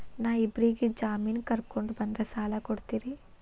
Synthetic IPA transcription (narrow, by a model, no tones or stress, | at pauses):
naːʋibɾiɡed͡ʒaːmiːnkɐɾkoɳɖubɐnd̪ɾɐsaːlɐkoɽt̪iːɾi